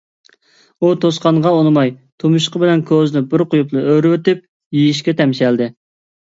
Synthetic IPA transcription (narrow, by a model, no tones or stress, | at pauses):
ut̪ʰosqɑɴʁɑonɨmɑjt̪ʰumuʃqʰəbɪlɛnkʲʰøznɪbɪɾqʊjuplˠɨøɾwøt̪ɪp̚ | jijiʃkʲɛt̪ʰɛmʃɛld̪ɪ